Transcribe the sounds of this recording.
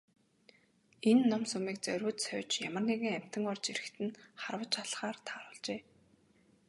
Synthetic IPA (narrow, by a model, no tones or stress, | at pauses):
enːɔmsɵmiːk̚t͡sœɾʲuːt̪sœwʲt͡ɕjamə̆rniɣɘ̆ŋæm̥ʲt̪ə̆ŋɔrt͡ɕiɾɘ̆xt̪ʰɘ̆nχarwə̆t͡ɕʰaɮχaːrt̪ʰaːɾʊːɮt͡ɕeː